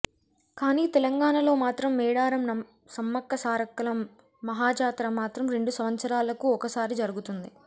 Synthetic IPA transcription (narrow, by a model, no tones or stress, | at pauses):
kaːniːt̪ɛlɐŋɡaːɳɐlo̞ːmaːt̪ɾɐmːɛːɽaːɾɐmnɐ | sɐmːɐkːɐsaːɾɐkːɐlɐmː | ɐɦaːt͡ʃaːt̪ɾɐmaːt̪ɾɐmɾe̞ɳɖusɐʋɐnsɐɾaːlɐkuɔkɐsaːɾid͡ʒɐɾuɡut̪und̪i